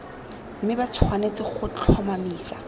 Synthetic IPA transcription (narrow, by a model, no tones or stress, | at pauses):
m̩mɪbat͡sʰwanet͡sɪχʊt͡ɬʰɔmamiːsa